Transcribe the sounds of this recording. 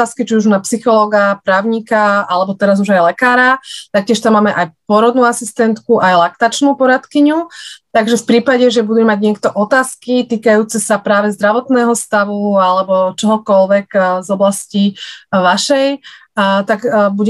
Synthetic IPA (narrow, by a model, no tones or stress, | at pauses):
aːskit͡ʃiuʒunapsixɔlɔːɡapɾaːʊɲikaalɛbɔt̪ɛɾazuʒajlɛkaːɾat̪ak̚cɪɛʃt̪amːaːmɛʔajpɔɾɔd̪nuːasist̪ɛnt̪kuʔajlakt̪at͡ʃnuːpɔɾat̪kiɲut̪aɡʒɛfpɾiːpaɟɛʒɛbud̪ɛmaɟɲɪɛkt̪ɔʔɔt̪aːskit̪iːkajuːt͡sɛsapɾaːʋɛzd̪ɾaʋɔt̪nɛːɦɔst̪aʋualɛbɔt͡ʃɔɦɔkɔlʋɛɡzɔblasciʋaʃɛj | t̪aɡbuɟ